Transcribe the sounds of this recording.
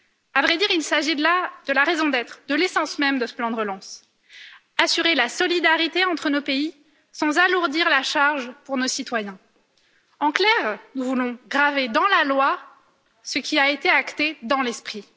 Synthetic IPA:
avʁɛd̪iʁilsaʒilad̪̥əlaʁezɔ̃d̪ɛt̪χd̪əlesɑ̃smɛmd̪əsə̥plɑ̃d̪əʁəlɑ̃s | asyʁelasɔlid̪aʁit̪eɑ̃t̪χənopei | sɑ̃zaluʁd̪iʁlaʃaʁʒpuʁnosit̪wajɛ̃ | ɑ̃klɛʁnuvulɔ̃ɡʁaved̪ɑ̃lalwa | səkʲiaet̪eakt̪ed̪ɑ̃lɛspχi

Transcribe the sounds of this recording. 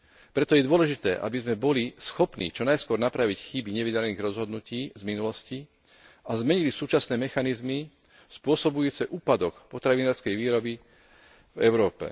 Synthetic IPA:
pɾɛt̪ɔjɛd̪ʊɔlɛʒit̪ɛːʔa̰bizmɛbɔlisxɔpnḭːt͡ʃɔnajskʊɔɾnapɾaʋicxibiɲɛʋidaɾniːɣɾɔzɦɔd̪nuciːzminulɔsci | azmɛɲilisuːt͡ʃasnɛːmɛxanizmi | spʊɔsɔbujuːt͡sɛʔuːpad̪ɔkpɔt̪ɾaʋinaːɾskɛjʋiːɾɔbi | vɛʊɾɔːpɛ̰

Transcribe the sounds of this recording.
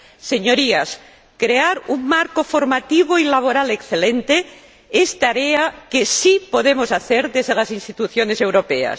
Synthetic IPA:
seɲoɾias | kɾeaɾuŋmaɾkofo̞ɾmat̪iβ̞oilaβ̞oɾalekθelẽnt̪e | est̪aɾeakesipo̞ð̞emosaθeɾðezðelasinst̪it̪uθjonese̞wɾo̞pea̰s

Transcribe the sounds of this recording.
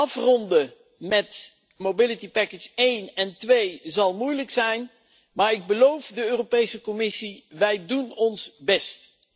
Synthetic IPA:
ɑfrɔndə | mɛt | mowbɪlitipɛkət͡ʃejnɛntʋejzɑlˠmujləksɛjn | maːɹɪɡ̚bəlowfdəøːropejsəkɔmɪsiʋɛjdunɔnsbɛst

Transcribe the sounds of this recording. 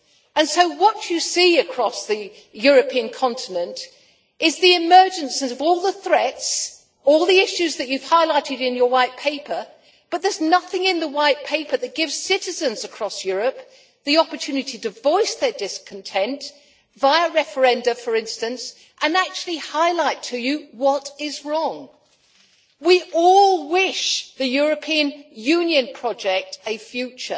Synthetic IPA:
ɨ̃nsoʊwʌt͡ʃɨsiɨkʰɹ̥ɔsðɨ | jʊɹɨpʰiɨ̃nkʰɑ̃ntʰɨnɨ̃nt | ɪzðiɨmɜ˞d͡ʒɨ̃nsɨzʌvɔlˠðəθɹɛts | ɔlˠðiɪʃʉzðɨt͡ʃʉv̥haɪlaɪɾɨɾɨ̃njə˞waɪt̚pʰeɪpʰə˞ | b̥ʌt̪̚ðə˞znʌθɪ̃ŋɪ̃nðəwaɪt̚pʰeɪpʰə˞ðɨt̚ɡ̥ɪvz̥sɪɾɨzɨ̃nzɨkʰɹ̥ɔsjʊɹɨp | ðiɑpə˞tʰʉnɨɾiɾɨvɔɪsðə˞dɪskʰn̩tʰɛ̃nt | vaɪəɹɛfə˞ɛ̃ndɨfə˞ɪ̃nstɨ̃ns | ʔə̃næk̚t͡ʃʉl̩ˠihaɪlaɪtʰɨjɨwʌɾɪzɹɔ̃ŋ | wiʔɔlˠwɪʃðɨjʊɹɨpʰĩɨ̃njʉ̃njɨ̃npʰɹ̥ɑd͡ʒɛk̚tɨfjʉt͡ʃə̰˞

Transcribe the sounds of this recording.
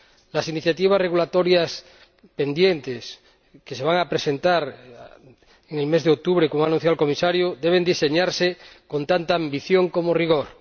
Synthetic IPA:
lasiniθjat̪iβ̞asre̞ɣulat̪o̞ɾjas | pe̞nd̪je̞nt̪es | kese̞β̞aŋapɾese̞nt̪aɾ | eŋelme̞zðeok̚t̪uβɾekomoanũn̟θ̬jawalko̞misaɾjod̪eβ̞e̞nd̪iseɲaɾseko̞nt̪ant̪aːmbiθjo̞ŋko̞moriɣ̞o̞ɾ

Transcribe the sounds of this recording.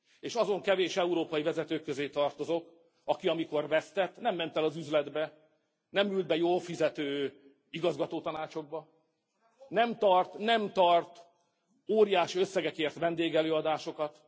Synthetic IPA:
eːʃɒzo̞ŋkɛveːʃɛuɾoːpɒjivɛzɛt̪øːkːøzeːt̪ɒrt̪o̞zok | ɒkiɒmiko̞rvɛst̪ɛt̪ːnɛmːɛnt̪ɛlɒzyzlɛd̪bɛ | nɛmyld̪̚bɛjoːlfizɛt̪øː | iɡɒzɡɒt̪oːt̪ɒnaːt͡ʃo̞ɡ̚bɒ | nɛmt̪ɒrt̪nɛmt̪ɒrt̪ | oːɾijaːʃiøsːɛɡɛkeːrt̪vɛnd̪eːɡɛløːɒd̪aːʃo̞kɒt̪

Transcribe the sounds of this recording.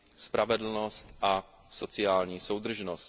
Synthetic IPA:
spɾavɛd̪l̩nɔst̪ʔa | sɔt͡sɪaːlɲiːsowd̪r̩ʒnɔsc

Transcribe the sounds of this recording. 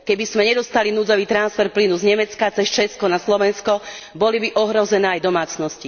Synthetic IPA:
kɛbizmɛɲɛd̪ɔst̪alinuːd͡zɔʋiːt̪ɾansfɛɾplinuzɲɛmɛt͡skat͡sɛst͡ʃɛskɔnaslɔʋɛnskɔ | bɔlibiʔɔɦɾɔzɛnɛːajd̪ɔmaːt͡snɔsci

